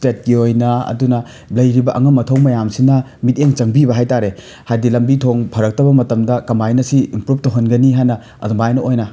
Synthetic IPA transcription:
stet̚ɡiojnɐɐ̰dunɐ | lɐjɾibɐʔɐŋɐmːɐtʰɐwmɐjamsinɐ | mit̚eŋt͡ʃɐŋbibɐɦajtaɾe | hajdilɐmbitʰoŋpʰɐɾɐk̚tɐbɐmɐtɐmdɐkɐmbajnɐsiimpɾup̚tɐɦɐnɡɐniɦajnɐ | ɐ̰dɐmajnɐojnɐ

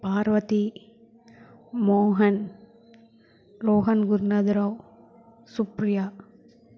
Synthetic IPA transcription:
paːɾʋɐt̪i | moːɦɐn | ɾoːɦɐnɡʊɾnɐd̪ɐɾɐw | supɾɪjaː

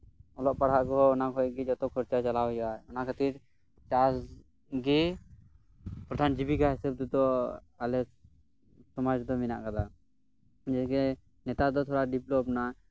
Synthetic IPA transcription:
ɔlɔʔpaɽ̤ɦaʔkɔɦɔːnakʰɔɛɡɛd͡ʒɔt̪ɔkʰɔɾt͡ʃat͡ʃalawjɔaɔnakʰat̪iɾ | t͡ʃas | ɡi | pɾɔd̪ʱand͡ʒibiɡaɦɛsɛb̚d̪ɔd̪ɔ | alɛ | sɔmad͡ʒd̪ɔmina̰ʔkad̪a | d͡ʒɛɡɛ | nɛt̪ad̪ɔt̪ʰɔɽaɖiplɔpna

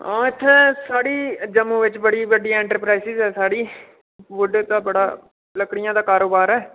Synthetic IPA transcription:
ãːɪt̪ʰːẽːsaːɽiːd͡ʒəmːũːʋɪt͡ʃbəɽiːʋəɖiːɛ̃ːɳʈəɾpɾaːisɪzɦɛːsaːɽiː | ʋʊɖt̪aːbəɽa̰ː | ləkɽɪjãːd̪aːkaːɾoːbaːɾɦɛː

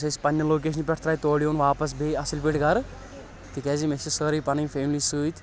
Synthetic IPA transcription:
sɐspɐnʲːɐloːk̬eːʃ̬ʰnpʲeʈʰt̪ʰɾaːjt̪oːɽijoːnʋaːpɐs̬beɐsilpiʈɡɐɾ | t̪ikɛːzimesisəɾijpɐnɐmʲfʰeːmlisuːjt̪ʲ

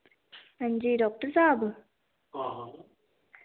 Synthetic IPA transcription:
ɐɲd͡ʑiːɖɔːk̚ʈəsaːb

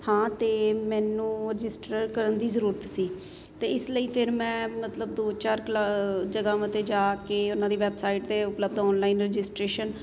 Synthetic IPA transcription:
hãːt̪eːmɛ̃ːnũːɾɪd͡ʒɪsʈəɾkəɾənd̪iːzəɾuːɾət̪siː | t̪eːɪsləiːpʰɪɾmɛ̃ːmət̪ləb̚d̪oːt͡ʃaːɾklad͡ʒəɡãːmət̪eːd͡ʒaːkeːʊnãːd̪iːʋɛːbsaːiʈd̪eːʊpləb̚d̪ɔːnlaːinɾɪd͡ʒɪsʈɾeːʃən

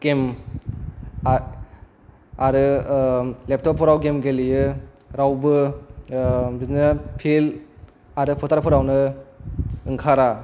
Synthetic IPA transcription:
ɡ̥em | aɾɯ | lep̚tʰɔp̚ʰɔɾawɡemɡelijɯ | ɾawbɯ | biznɯpʰil | aɾɯpʰɔtʰaɾpʰɔɾawnɯ | ɯŋkʰaɾa

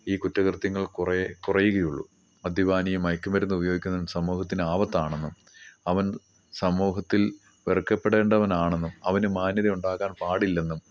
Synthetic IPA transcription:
iːkutːɐɣrt̪jɐŋːɐɭkrekurɐjuɣɐjuɭːṵ | mɐd̪ʱjɐʋaːnijɐmɐjkːɐmɐɾunːubɐjo̞ːɡikʲːunːɐnsɐmːuːɦɐt̪ːinɨaːʋɐt̪ːaːɳe̞nːum | ɐʋɐn | sɐmuːɦɐt̪ːil | ʋerkːɐpːeɽe̞ːɳɖɐʋɐnaːɳe̞nːumɐʋɐnɨmaːnjɐðiuɳɖaːɣaːnpaːɽilːe̞nːum

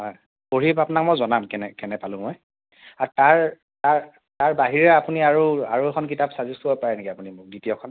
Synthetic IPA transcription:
ɦɔj | poɹipapunak̚mojzɔnamkɛnɛkɛnɛpalʊ̃moj | ataɹ | taɹ | taɹbaɦiɹɛapuniaɹuaɹuɛkʰɔnk̬itapsazistuojpaɹɛnikiapunimʊk̚ditiɔkʰɔn

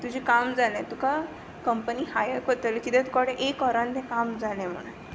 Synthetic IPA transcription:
t̪ud͡ʑʱikamd͡zalẽt̪uka | kəmpəniːhajəkot̪əlkit̪ɛ̃t̪u̥kaɽeʔekɔɾãnt̪ɛkamd͡zalɛ̃m̤ə̰ɽ̃a

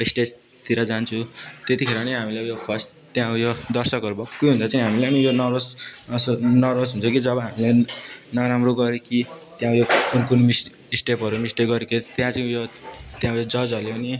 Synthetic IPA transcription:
ʌisʈed͡z | t̪ʰiɾʌd͡zant͡sʰut̪et̪ikʰeɾʌnʌɦamilejopʰʌst | t̪jãũjod̪ʌrsʌkʌɾubʌkːujɦunt͡sʌt͡saĩɦamilaʌnijonʌrod͡zʌsnʌrʌsɦunt͡sʰʌkid͡zʌbʌɦamilenʌɾamroɡʌɾekit̪jãũjounkunmis | isʈepʌɾumisʈeɡʌɾekit̪jãt͡saĩjot̪jãjod͡zʌd͡zʌleʌni

